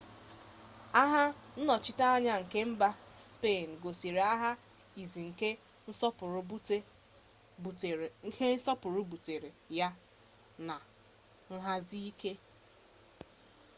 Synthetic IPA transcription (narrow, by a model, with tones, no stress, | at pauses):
a˦ɦa˦n̩˦nɔ˨t͡ʃɪ˦ta˦a˦ɲa˦ŋ̩˨ke˦m̩˦ba˦spe˦˨n̩˨ɡo˨si˨ɾe˨a˦ɦa˦i˨zi˨ŋ̩˨ke˦ | n̩˦sɔ˦pʊ˨ɾʊ˨be˦˨ | ŋ̩˨ke˦n̩˦sɔ˦pʊ˨ɾʊ˦bu˨te˨ɾe˨ja˦ | na˨ | n̩˦ɦa˦zi˦i˦ke˦